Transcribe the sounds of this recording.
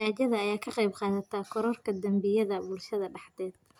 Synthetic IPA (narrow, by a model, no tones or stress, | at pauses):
aːd͡ʒɐðɐːjaːkʰɐqɑjbqɑːnɐt̪ʰaːkʰɔɾɔrkʰɐd̪ɐmbɪjɐðɐbʊlʃɐðɐɖɑħd̪ɛːd̪̚